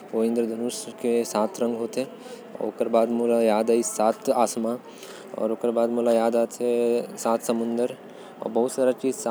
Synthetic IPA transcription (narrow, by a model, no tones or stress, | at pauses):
oːɪ̃nd̪ɾəd̪ʱɐnuʃkesaːt̪ʰɾɐ̃ŋɡɦoːt̪e | ɔ̰ːɾoːkəɾbaːd̪moːlajaːd̪aːisaːt̪ʰaːsmã | ɔ̰ːɾoːkəɾbaːd̪moːlajaːd̪aːt̪ʰesaːt̪ʰsɐmʊ̃nd̪əɾ | ɔ̰ːɾbɐɦʊt̪saːɾat͡ʃiːd͡ʒsa